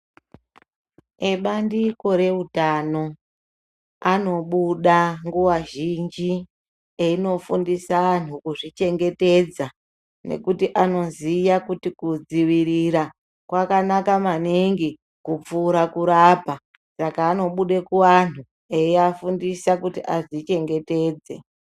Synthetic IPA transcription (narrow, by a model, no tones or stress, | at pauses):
eɓandiko̞ɾe̞utano̞ | ano̞ɓuɗaŋɡuwaʒind͡ʒi | eino̞fundisaan̤ukuʐit͡ʃe̞ŋɡe̞te̞d͡za | nḛkutiʔano̞zijakutikud͡ziʋiɾiɾa | kwakanakamaniŋɡi | kup͡fuɾakuɾapa | sakaːno̞ɓuɗe̞kuʋan̤u | eiafundisakutiʔazit͡ʃe̞ŋɡe̞te̞ːd͡ze̞̰